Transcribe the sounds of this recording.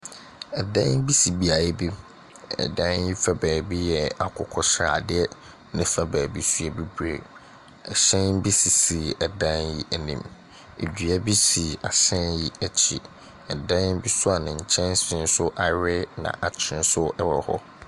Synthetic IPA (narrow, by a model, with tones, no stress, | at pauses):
ɛ˨dã˦nbi˦si˨bi˦a˨jɛ˦bi˦ | ɛ̰˨dã˦nji˦fa˦bæː˨bi˦jɛ˨a˨kʰʊ˨kʰɔ˦sɾa̰˨dɪ˦ɛ˦ | nɪ̃˦fa˦bæː˨bi˦su˦ɛ˨bi˦bɾḛ˨ | ɛ̰˨ɕɛ̃˦nbi˦si˨si˨ɛ˨dã˦nji˦ʔɛ˨nḭ̃˨m | ḛ˨dɥɛ˦bi˦si˨a˨ɕɛ̃˦nji˦ɛ˦t͡ɕʰḭ˨ | ɛ˨dã˦nbi˦sʊ˦a˨nɪ̃˨ɲ̩˨t͡ɕʰɛ̃˦nsɪ̃˦n˦sʊ˦ʔa˨ɾɪ˦nã̰˨ʔa˨t͡ɕʰɪ˨˦ɪ̃˦n˦sʊ˦ɛ˦wɔ˨hɔ̰˦